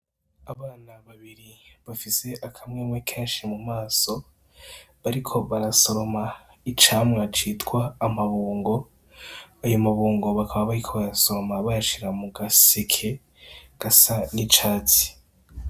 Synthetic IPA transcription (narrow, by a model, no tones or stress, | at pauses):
aβaːnaβaβiɾiβafise̞ʔakʰamŋeːmwekʰeːnʃimumaːso̞ | βaɾikʰo̞βaɾaso̞ɾo̞ma | it͡ʃaːmŋat͡ʃiːtɡwaːmaβuːŋɡo̞ | ajo̞maβuːŋɡo̞βakʰaβaβaɾikʰo̞βaɾaso̞ɾo̞maβaɾaʃiɾamuɡasekʰe | ɡ̥asanit͡ʃaːt͡si̥